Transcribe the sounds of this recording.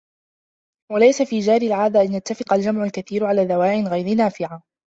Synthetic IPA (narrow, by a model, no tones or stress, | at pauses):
walajsafiːd͡ʒaːɾɪlʕaːd̪aʔanjat̪ːafɪ̥qɑld͡ʒamʕalkaθiːɾʕalaːðawaːʔɪnɣajɾɪnaːfɪʕa